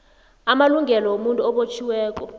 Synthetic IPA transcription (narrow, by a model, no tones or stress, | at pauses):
amaluŋɡʱɛlɔwomuntʼuɔɓot͡ʃʰiwɛːk̬ʼɔ